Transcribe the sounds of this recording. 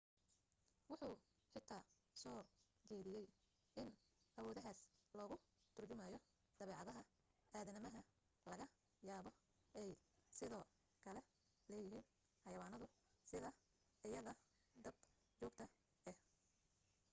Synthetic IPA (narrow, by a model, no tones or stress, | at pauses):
wʊħuː | ħɪt̪ʰaː | sɔː | d͡ʒɛːðɪjɛj | ʔɪnʔɐwɔːðɐɦaːslɔːɣʊ | t̪ʰʊrt͡ʃʊmɐjɔ | d̪̥ɐβɛːʕɑðɐɦɐ | ʔaːðɐnɪmɐɦɐ | lɐɣɐ | jaːβɔ | ɛjsɪðɔː | kʰɐlɛ | lɛːjɪɦiːn | ħɑjɐwaːnɐðʊ | sɪðɐ | ɪjɐðɐ | d̪ɐb | t͡ʃɔːɡ̚t̪ʰɐ | ɛh